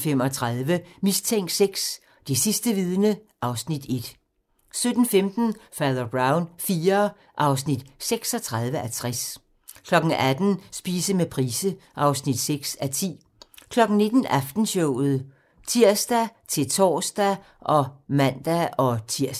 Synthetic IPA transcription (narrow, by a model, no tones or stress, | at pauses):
fem̰ɒ̽t͡sʰʁɑðˠʋəmist͡sʰeŋ̰ɡd̥seɡ̥s | d̥e̝sisd̥əʋið̞ˠnəʔɑ̈ʊsnid̥e̝d̥ | sød̥n̩femd̥n̩fæðˠɐb̥ʁɑ̈ʊnfiːɐ | ʔɑ̈ʊsnid̥seɡ̥sɒ̽t͡sʰʁɑðˠʋəʔæt͡sʰʁas | kʰlɒ̽ɡ̥n̩æd̥n̩sb̥iːsəmepʰʁiːsəʔɑ̈ʊsnid̥seɡ̥sæt͡sʰḭː | kʰlɒ̽ɡ̥n̩ne̝d̥n̩æfd̥n̩ɕɔʊð̩ˠ | t͡sʰiɐ̰sd̥æt͡sʰe̝lt͡sʰɒ̰ːsd̥æ | ʔɒ̽mæn̰d̥æɒ̽t͡sʰiɐ̰s